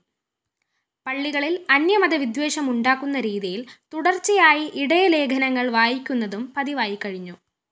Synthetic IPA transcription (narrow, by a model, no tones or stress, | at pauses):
pɐɭːiɣɐɭilɐnjɐmɐðɐʋid̪ʋe̞ːʂɐmuɳɖaːkːunːɐɾiːðijilt̪uɽɐrt͡ɕːijaːjiʔiɽɐjɐle̞ːkʰɐnɐŋːɐɭʋaːjikʲːunːɐðumpɐðiʋaːjikːɐɻiɲːu